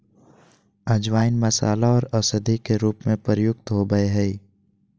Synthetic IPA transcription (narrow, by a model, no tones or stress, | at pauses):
əd͡ʒʋaːɪnmɐsa̰ːlaɔːɾɐsəd̪ʱikeɾuːpmẽpɾjʊkt̪ɦoɡəeɦɛi